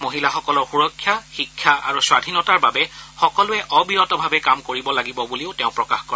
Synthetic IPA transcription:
moɦilaxɔkɔlɔɹxuɹɔkʰːjaxikʰːjaʔa̰ɹuswadʱinɔtaɹbabɛxɔkɔlʊɛʔɔbiɹɔtɔbʱabɛkamkoɹibɔlaɡibɔbulioʊtɛʊ̃pɹɔkaxkɔɹɛ

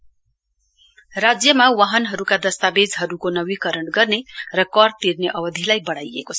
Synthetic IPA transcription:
rad͡zjʌmawaɦʌnɦʌɾukad̪ʌst̪abed͡zɦʌɾukonʌbikʌɾʌɳɡʌrnerʌkʌrt̪irneʔʌbʌd̪ʱilajbʌɽajḛkot͡sʰ

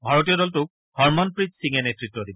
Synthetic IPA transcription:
bʱaɹɔtijɔɾɔltʊk̚ | hɔɹmɔnpɹitsiŋɛnetɹitːɔdibɔ

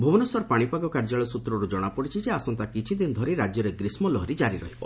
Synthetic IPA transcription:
bʱubɔnɔsɔɾpaɽ̃ipaɡɔkaɾd͡ʒaɭɔsut̪ɾɔɾud͡ʒɔɽ̃apɔɽit͡ʃʰid͡ʒeasɔnt̪akit͡ʃʰid̪ind̪ʱɔɾiɾad͡ʒjɔɾeɡɾismɔlɔɦɔɾid͡ʒaɾiɾɔ̰ɦibɔ

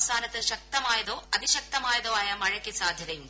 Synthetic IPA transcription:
saːnɐt̪ɐʃɐk̚t̪ɐmaːjɐd̪oːɐd̪iʃɐk̚t̪ɐmaːjɐd̪oːɐjɐmɐɻɐkesaːd̪ʱjɐt̪ɐjum

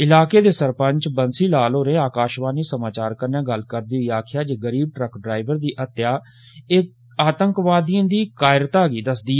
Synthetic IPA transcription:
ɪlaːkeːd̪eːsəɾpəɲt͡ʃbənsiːlaːloːɾẽːaːkaːʃʋaːniːsəmaːt͡ʃaːɾkəɾnãːɡəlkəɾd̪iːɦoiːaːkʰɪjaːd͡ʒeːɡəɾiːb̚ʈɾəkɖɾaːɪʋəɾd̪iːʔət̪jaː | eː | aːt̪əŋkʋaːd̪iãːd̪iːkaːɪɾt̪aːɡiːd̪əsd̪iː

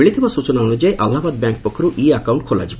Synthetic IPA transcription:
eɭit̪ʰibasut͡ʃɔnaɔnud͡ʒaeʔalːaɦbad̪̚bjaŋk̚pɔkʰːɔɾuʔiakawɳʈ̚kʰola̰d͡ʒibɔ

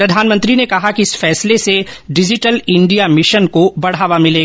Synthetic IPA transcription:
ɾɐd̪ʱaːnmə̃nt̪ɾinekɐɦakiɪsfɛːsleseɖɪd͡ʒɪʈəlɪ̃ɳɖijamɪʃənkobɐɽ̤aːʋamɪleːɡa

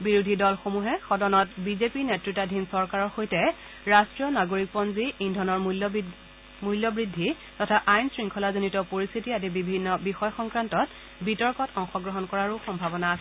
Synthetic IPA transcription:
biɹudʱidɔlxomuɦɛxɔdɔnɔtbizepinetɹitadʱinsɔɹkaɹɔɹxojtɛ | ɹastɹiɔnaɡoɹik̚pɔnziindʱɔnɔɹl | muljɔbɹidʱːi | tɔtʰaʔajnsɹiŋkʰɔlazonitɔpoɹist̪ʰitiadibibʱinːɔbixɔjɔxɔŋkɹantɔt | bitɔɹkɔtɔŋxɔɡɹɔɦɔnkɔɹaɹuxɔmbʱabɔnaːsɛ

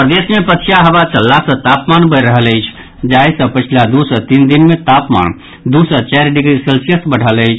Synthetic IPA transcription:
pɾəd̪esmepətʰijaɦəβat͡ʃəlːasə̃t̪apmanbəjɾəɦələjt͡ʃʰ | d͡ʒajsə̃pət͡ʃʰilad̪usət̪ind̪inmet̪apma̰n | d̪usət͡ʃɛɾɖiɡɾiselsijəsbəɽ̤ələjt͡ʃʰ

